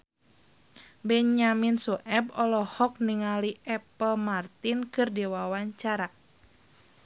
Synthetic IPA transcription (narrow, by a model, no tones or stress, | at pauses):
bɛɲaminsuʔɛbɔlɔhɔk̚niŋaliʔɛpəlmart̪inkɨrdiwawaɲt͡ʃaɾa